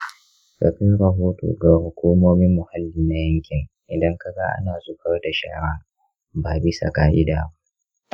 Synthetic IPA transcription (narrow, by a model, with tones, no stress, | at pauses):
ka̰ː˨ɸɪ˦nɽɐ˨ɦoː˦to̰ː˨ɡa˨hʊ˨kʷuː˦moː˦mɪ˦mːʊ˨ha˦lːiː˨na˦jɐ˦ŋkʲɪ˨ŋʔɪ˨dɐ˦ŋka˦ɡa˦ʔa̰˦naː˨zʊ˦ɸɐ˦rda˨ʃa̰ː˦ɽa˦ | baː˨bɪ˦sa̰˨kaː˦ʔɪ˦daː˨ba˦ʔ